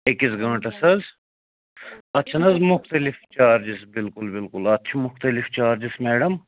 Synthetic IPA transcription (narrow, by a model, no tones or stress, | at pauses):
ekisɡɐ̃ːɳʈɐsɐz | ɐt̪ːt͡ʃʰɐnɐzmʊxt̪ɐlɪft͡ʃaːɾd͡ʒisbɪlkʊlbɪlkʊlɐt̪ːt͡ʃʰɐmʊxt̪ɐlift͡ʃaːɾd͡ʒismɛːɖɐm